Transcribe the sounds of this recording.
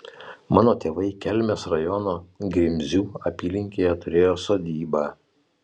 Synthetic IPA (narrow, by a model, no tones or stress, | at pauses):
mɑːnoːt̪ʲeːʋɐɪkʲɛlʲmʲeːsɾɐjɔnoːɡɾʲɪmʲzʲuːɐpʲiːlʲɪŋʲkʲeːjɛt̪ʊɾʲeːjoːsoːd̪ʲiːbɑː